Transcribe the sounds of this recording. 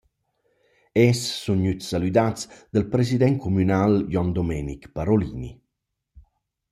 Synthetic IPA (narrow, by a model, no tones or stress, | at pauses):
ɛsːunɲyt̪sːalyd̪at͡sd̪əlpɾesid̪ɛŋkumynaljɔnd̪ɔmɛːnikpaɾolḭːnḭ